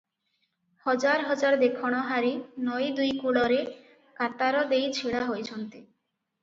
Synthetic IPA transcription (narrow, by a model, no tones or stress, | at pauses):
hɔd͡ʒaɾɦɔd͡ʒaɾd̪ekʰɔɽ̃ɔɦaɾinɔjd̪ujkuɽɔɾe | kat̪aɾɔd̪ejt͡ɕʰiɭaɦojt͡ɕʰɔnt̪i